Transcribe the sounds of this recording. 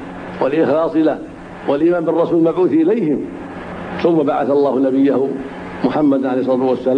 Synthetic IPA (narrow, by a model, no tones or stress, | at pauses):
walʔɪxlɑːsˤɪla | walʔimaːmbɪrˤːɑsuːllmabʕuːθʔɪlajhɪm | θʊmːabaʕaθalˤːɑːhʊnabɪjːahʊ | mʊħamːad̪ʕalejhsˤɑːt̪wasːala